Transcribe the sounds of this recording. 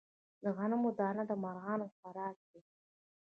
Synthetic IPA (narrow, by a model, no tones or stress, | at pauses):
d̪əɣanamod̪ɑnad̪əmaɾɣɑnofaɾɑk̚d̪i